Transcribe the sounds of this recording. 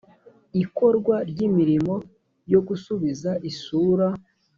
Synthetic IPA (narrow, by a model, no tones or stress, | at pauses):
iko̞ɾɡwaɾɟimiɾimo̞ | jo̞ɡusuβizaʔisuːɾa